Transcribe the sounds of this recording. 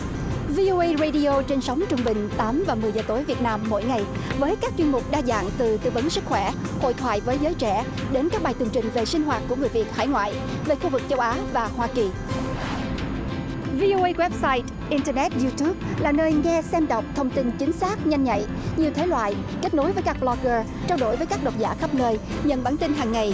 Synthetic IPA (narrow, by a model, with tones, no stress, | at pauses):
vi˧ʔo˧ʔə˧jzə˧jɗi˧ʔo˧t͡ɕe˧nsa˨˦wŋ͡mt͡ɕʊ˧ŋ͡mɓï˨˩ŋ̟t̪aː˨˦mvaː˨˩mɨ˨˩əjzəː˨˩t̪o˨˦jvi˨˩ət̚naː˧mːo̰˧˥jŋa˨˩jvəː˨˦jkaː˦˥k̚t͡ɕwi˧nmʊ˨˩k͡p̚ɗaː˧za̰ː˧˨ŋt̪ɨ˨˩t̪ɨ̰˧˨və˨˦nsɨ˦˥k̚xwɛ˧˩ho̰˧˨jt̪ʰwa̰ː˧˨jvəː˨˦jzəː˨˦jt͡ɕɛ˧˩ | ɗe˨˦nkaː˦˥k̚ɓaː˨˩jt̪ɨ˨˩ŋt͡ɕï˨˩ŋ̟ve˨˩sï˧ŋ̟ɦwaː˨˩t̚ku˧˩əŋɨ˨˩əjvi˨˩ət̚ha̰ː˧˩jŋwa̰ː˧˨j | ve˨˩xu˧vɨ˨˩k̚t͡ɕə˧wʔaː˨˦vaː˨˩hwaː˧ki˨˩ | vi˧ʔo˧ʔə˧jɣwɛ˦˥p̚saː˧jt | ʔi˧ntəː˧nɛ˦˥t̚zu˧t̪u˦˥p̚laː˨˩nəː˧jŋɛ˧sɛ˧mɗə˨˩wk͡p̚t̪ʰə˧wŋ͡mt̪i˧nt͡ɕï˨˦ŋ̟saː˦˥k̚ɲa˧jŋ̟ɲa̰˧˨j | ɲi˨˩əwt̪ʰe˨˦lwa̰ː˧˨jke˦˥k̚no˨˦jvəː˨˦jkaː˦˥lɔ˧ɣəː˧ | t͡ɕaː˧wɗo˧˩jvəː˨˦jkaː˦˥k̚ɗə˨˩wk͡p̚za̰ː˧˩xə˦˥p̚nəː˧j | ɲə̰˧˨nɓaː˧˩nt̪ï˧nɦaː˨˩ŋːa˨˩j